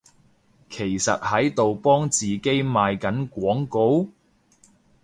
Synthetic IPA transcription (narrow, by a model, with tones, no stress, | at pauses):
kʰe˨˩jsɐ̰˨t̚hɐ˨˥jt̪o˨wpɔː˥ŋt͡siː˨ke˥jmaː˨jkɐ˨˥nkʷɔː˨˥ŋko˨˥w